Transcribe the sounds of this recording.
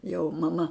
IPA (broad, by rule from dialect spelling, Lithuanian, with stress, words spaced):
jɛʊ mɐˈmɐ